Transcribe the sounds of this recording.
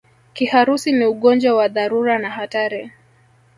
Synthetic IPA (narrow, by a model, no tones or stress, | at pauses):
kihaɾusiniuɠɔnd͡ʒwawaðaɾuɾanahataɾi